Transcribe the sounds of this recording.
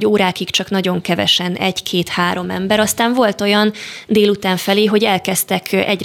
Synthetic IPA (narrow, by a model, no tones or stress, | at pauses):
oːɾaːkikt͡ʃɒknɒɟo̞ŋkɛvɛ̰ʃɛnɛɟkʰeːt̪haːɾo̞mɛ̰mbɛɾɒst̪aːɱvo̞lt̪o̞jɒnd̪eːlut̪aːɱfɛleːɦo̞ɟɛlkɛst̪ɛkɛɟ